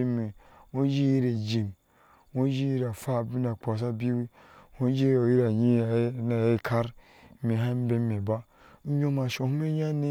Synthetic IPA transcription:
e˦me˨ŋo˦d͡ʒi˦ji˦ɾe˨d͡ʒi˨m | ŋo˦d͡ʒi˦ji˦ɾa˨fa˦˨bi˦na˨k͡pa˨s̬a˦bi˦wi˦ | ho˦d͡ʒi˦o˨ji˦ɾa˨ɲi˦˨˦na˨e˦kʰa˦ɾ | me˨ɦa˦m˦be˦me˨ba˦ | ɲo˦ma˨ʃo˨hu˦me˦ɲa˦ne˦

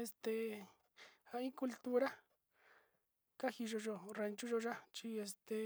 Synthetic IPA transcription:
e˧st̪e˧ | a˧ĩ˦ku˧lt̪u˦ɾa˦ | ka˦xi˧ʒo˧ʒo˧re˧nt͡ʃu˦ʒo˧ʒa˦t͡ʃi˦˧e˧st̪e˧

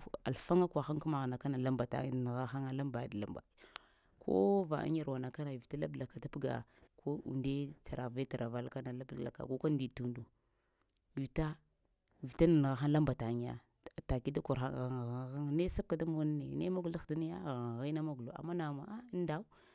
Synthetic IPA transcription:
a̰˨lfa˦ŋa˦kwa˨xa˦ŋku˦ma˨ɣa˨na˨ka˦na˨la˦mba˨ta̰˨n˨ɣa˦xa˦ŋa˦la˦mba˨dla̰˦mba̰˨ | kʰo̰˦va̰˨a̰˦ɲ˦a˨ɾwa˨na˨ka˦na˨vi˨ta˦la˦bla˨ka˨ta˦pɡa̰˨kʰo˦ṵ˨nde˦t͡sa˨ɾa˨ve˦ta˨ɾa˨va˨˦lka˦na˨la˦bla̰˨ka̰˨ko˦ka˦n˦di˨tu˦ndu˨ | vi˨ta˦˨ | vi˨ta˦na˨n˨ɣa˨xa˦nla˦mba˨ta˨ŋ˦ja̰˨ | ta˨ki˦da˦ku˨ɾa˦ɣa˨ŋ˨ɣa˨ɣa˦ŋ˦ne˦sa˦b̚ka˨da˦mo˨˦na˦ne˨ne˦ma˦ɡu˨la˦xda˦na˦ja̰˦ɣa˨ɣi˦na˦ma˦ɡu˨lo̰˨a̰˨mːa˦na˨ma˨a˦n˦da˦u˦

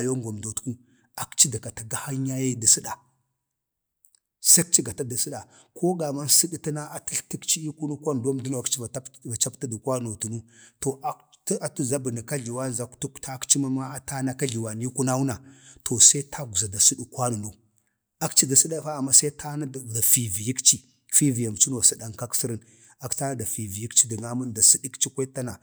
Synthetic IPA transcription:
a˨jo˦ŋɡʷa˨mdo˨tku˦ | a˨kt͡ʃi˦da˨ka˨ta˨ɡa˦ha˦ɲa˦ja˦da˨si˦ɗa˨ | sa˦k̚t͡ʃi˦ɡa˨ta˦da˨si˦ɗa˨ | kʰo˦ɡa˨ma˦nsi˦ɗi˦ta˦na˦a˨ti˦ɬti˦kt͡ʃi˦i˦ku˦nu˦kʷa˦n˨do˦mdu˦n˨a˨kt͡ʃi˦va˨˦a˨t͡ʃa˦pta˦du˨kwa˦no˨tu˨nu˦to˨a˦ | ta˨tu˦za˦bə˨na˨ka˦ɮi˨wa˦n˨za˨ktu˦kta˦kt͡ʃi˦ma˦ma˦a˦ta˦na˦ka˦ɮi˨wa˨ni˦ku˦na˦wu˦na˨tʰo˨sa˦i˦tʰa˦ɡu˨za˨da˨su˦ɗi˦kʷa˦nu˨no˨ | a˦kt͡ʃi˦da˨si˦ɗa˦fa˦a˨mːa˦sa˦tʰa˦na˦dda˨fi˨vi˨ji˦kt͡ʃi˦ | fi˦vi˨ja˨m˨t͡ʃi˦no˨si˦ɗa˨ŋka˦ksi˦ɾə˦n | a˨kta˦na˦da˨fi˨vi˨ji˦kt͡ʃi˦di˨ŋa˦ma˦nda˨si˦di˦kt͡ʃi˦kʷa˦ta˦na˨

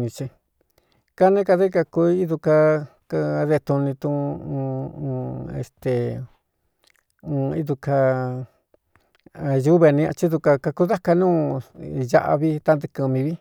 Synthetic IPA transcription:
ɲĩ˧t͡ʃi˧ | ka˦nẽ˦ka˧ðe˦ka˧ku˧i˦ðu˧ka˧ | ka˧ðe˧t̪u˧nĩ˧t̪ũ˧ | ḛ˧˨st̪e˨˧ | i˦ðu˧ka˧ | ju˦βe˧nĩ˧a̰˧t͡ʃi˦ðu˧ka˧ka˧ku˧ða˦ka˧nũː˦ja̰˧ʔa̰˧βi˦t̪a˧nd̪ɨ˧kɨ˧mĩ˧βi˦

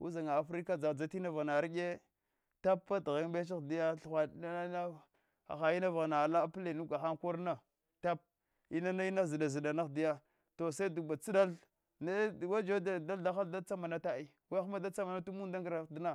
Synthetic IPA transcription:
ṵ˦za˨ŋa˨a˨fɾi˦ka˦d͡za˨d͡za˦ti˦na˦va˨na˨ɾi˦ɡʲe˦ | ta˦pːa˦dɣe˦ŋ˦ɓe˦t͡ʃ̬i˦di˦ja˦ɬxʷa˨˦na˦ | a̰˨xa˨ji˦na˦va˨ɣna˨la˦ple˨nu˦ɡa˨xa˦ŋku˦ɾna˦ | ta˦p̚ | i˦na˦na˦i˦na˦zi˨da˨zi˨da˨na˦xdi˦ja˦ | to˨sa˦i˦du˨ba˨t͡si˦da˦l | na˦˨wa˦d͡ʒo˦da˨da˦lda˦xa˦lda˦t͡sa˦ma˨na˦ta˦i˦ | wa˦xma˦da˦t͡sa˦ma˨na˦tu˦mu˦nda˦ŋɡɾa˨di˦na˦˨

